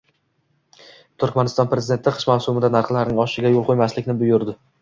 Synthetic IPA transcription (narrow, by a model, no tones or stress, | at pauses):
t̪ʰʊɾkʲmanɪst̪ɒnpɾe̞zɪd̪e̞nt̪ʰɪqʰɨ̥ʃmawsʊmɪd̪anaɾχlˠaɾnɪŋɒʃɪɡʲajolˠqʰojmaslɪkʲnɪbʊjʊɾd̪ɪ